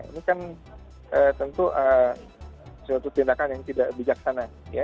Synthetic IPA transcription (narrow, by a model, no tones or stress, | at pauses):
jaḭnikan | ʔəːt̪ənt̪uʔəː | sat̪ut̪indakanjaŋt̪idaʔbid͡ʒaksanaja